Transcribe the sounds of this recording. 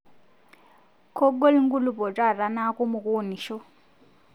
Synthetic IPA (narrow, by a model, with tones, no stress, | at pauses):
kʰɔ˦ɡo˦li˦ŋ̩˦ɡu˦lu˨pɔ˨ʈ͡ʂʼa˦˨ɾa˨na˦ku˦mu˨kʼu˦o˦ni˨ʃɔ˦